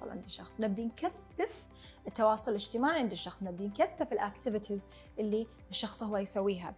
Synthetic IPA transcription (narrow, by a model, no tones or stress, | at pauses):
ɑ̰lʕɪ̰nd̪iʃɑxsˤnɪb̚d̪inkaθːɪf | ɪt̪ːɑwɑːsˤʊlɪlɪd͡ʒt̪ɪmaːʕiʕɪnd̪iʃɑxsˤnɪb̚d̪inkaθːɪfɪlʔakt̪ɪvɪt̪ʰiz | ʔɪlːi | ʃːɑxsˤhʊwːajsawːiːɦa̰